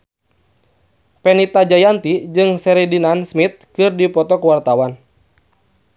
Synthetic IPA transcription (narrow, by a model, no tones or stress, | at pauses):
pɛnit̪ad͡ʒajant̪id͡ʒɨŋsɛɾidinansmit̪̚kɨrdipɔt̪ɔkwart̪awan